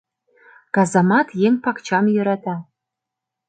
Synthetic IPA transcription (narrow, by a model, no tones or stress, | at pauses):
ɡ̥azamɑtʰjeŋpʰakt͡ʃʰamjʏɾatʰa